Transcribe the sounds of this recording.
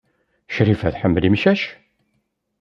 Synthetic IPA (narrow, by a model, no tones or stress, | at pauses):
ʃɾifæθħəmːəlimʃæʃ